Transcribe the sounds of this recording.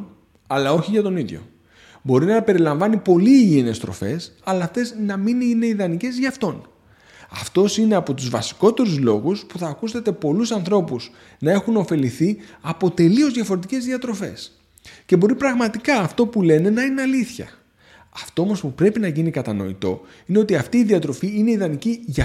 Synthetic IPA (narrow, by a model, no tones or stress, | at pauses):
ɐlɐo̞çiʝɐt̪o̞niðʝo̞̰ | bo̞ɾinɐpe̞ɾilɐɱvɐnipo̞liene̞st̪ɾo̞̰fe̞sɐlɐːft̪e̞znɐmineine̞iðɐnice̞zʝɐːft̪o̞n | ɐ̰ft̪o̞sine̞ɐpo̞t̪uzvɐsi̥ko̞t̪e̞ɾuzlo̞ɣuspuθɐːkust̪et̪e̞po̞lusɐnθɾo̞puz | nɐe̞xuno̞fe̞liθiɐpo̞t̪e̞lio̞zðʝɐfo̞ɾet̪ice̞zðiɐt̪ɾo̞fe̞̰s | ce̞bo̞ɾipɾɐɣmɐt̪ikɐːft̪o̞pule̞ne̞nɐineɐliθçɐ̰ | ɐft̪o̞o̞mo̞spupɾe̞pinɐʝinikɐt̪ɐno̞̰ḭt̪o̞ | ine̞o̞t̪iɐft̪iːðiɐt̪ɾo̞fiineiðɐniciʝɐ